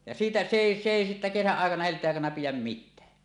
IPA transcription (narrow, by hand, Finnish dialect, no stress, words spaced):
jɑ siːtæ se eˑi se eˑi sitːæ kesæʔ ʔɑˑekɑnɑ heltˑeːʔ ʔɑˑekɑnɑ pijæm mitːæː